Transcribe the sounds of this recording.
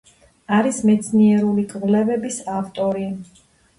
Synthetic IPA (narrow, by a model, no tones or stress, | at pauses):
aɾismɛt̪sʰniɛɾulikʼʁlɛvɛbisaft̪ʼɔɾi